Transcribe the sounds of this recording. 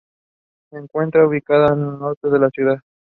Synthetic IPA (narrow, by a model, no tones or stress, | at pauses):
seŋkwe̞nt̪ɾauβikaðanelno̞ɾt̪eðe̞lasjuðað